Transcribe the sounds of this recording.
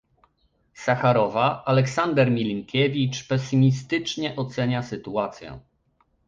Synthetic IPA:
saxaɾɔvaʔalɛksand̪ɛɾmʲilʲiŋkʲɛvʲit͡ʂpɛsɨmʲist̪ɘt͡ʂɲɛʔɔt̪sɛɲasɘt̪uat̪sʲjɛ̰

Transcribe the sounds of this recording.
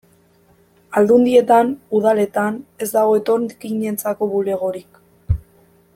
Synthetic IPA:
ald̪und̪ie̞t̪anuðale̞t̪ane̞zd̪aɣ̞o̞e̞t̪o̞ɾnkiɲe̞nt͡sako̞βule̞ɣ̞o̞ɾik

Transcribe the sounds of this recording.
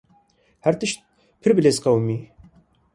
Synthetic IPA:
hæɾt̪ɨʃt̪ | pʰɨɾbɨlezqɑwmi

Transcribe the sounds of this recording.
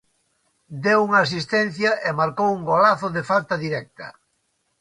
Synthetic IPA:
d̪ewuŋaːs̬ist̪ɛn̟θjɐʔɪmaɾkowuŋɡolaθʊðɪfalt̪ɐðiɾɛk̚t̪ɐ̰

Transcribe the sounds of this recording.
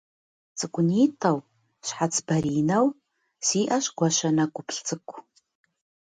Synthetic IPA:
t͡sʼɨkʷʊniːtʰɐw | ɕħat͡sʰbaɾiːnɐw | siːʔaʃɡʷaʃanakʷʼʊpʰɬt͡sʰʼɨkʷʼʰː

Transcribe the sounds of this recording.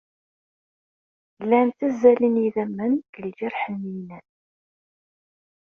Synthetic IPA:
lːænt̪æzːæliniðæmːənkəlʒəɾħəmijnæn

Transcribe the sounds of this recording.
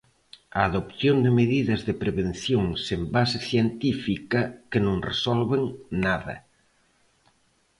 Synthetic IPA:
ɐːðopθjond̪ɪmeðiðɐzðɪpɾeβen̟θjoŋsembasɪθjent̪ifikɐkɪnõŋrḛsɔlβeŋnaðɐ̰

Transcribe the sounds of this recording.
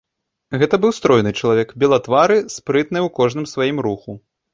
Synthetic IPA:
ɣɛt̪ɐbɨwst̪ɾɔjnɨt͡ʂɐlˠavʲɛkbʲɛlˠɐt̪vaɾɨspɾɨt̪̚nɨjwkɔʐnɨmsvajimɾuxu

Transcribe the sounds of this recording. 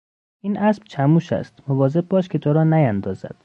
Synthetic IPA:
inæsb̥̚t͡ʃʰæmuʃæ̰st̪movɒzeb̚bɒːʃkʲʰet̪ʰoɾɒnæjand̪ɒzæ̰d̪̥

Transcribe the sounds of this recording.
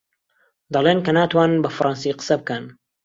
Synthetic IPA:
d̪ɐleːnkɐnaːt̪waːnɨnbɐfɾʔɑnsiːqə̥sɐbɨkɐn

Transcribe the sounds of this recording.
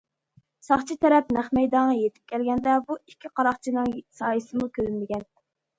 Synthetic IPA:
sɑχt͡ʃʰit̪ʰɛɾɛp̚næχmɛjd̪ɑŋʁɑjet̪ʰɪ̥p̚kʲɛlɡʲɛnd̪ɛbuikʲʰːiqʰɑɾɑχt͡ʃʰinɨŋsɑːjəsɨmukʲʰølynmɪɡʲɛn

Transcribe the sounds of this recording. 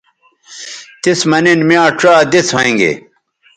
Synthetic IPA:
t̪ismɐninmijãːʈ͡ʂaːd̪ishɐĩŋɡḛ

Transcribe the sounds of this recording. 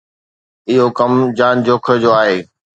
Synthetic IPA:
ɪɦokɐmd͡ʑaːnd͡ʑoːkʰə̆d͡ʑoːaːɦeː

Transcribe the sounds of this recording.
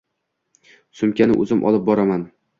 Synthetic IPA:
sʊmkʲanɪ̰ʔɵ̰zɪmʔɒ̰lˠɪp̚bɒɾaman

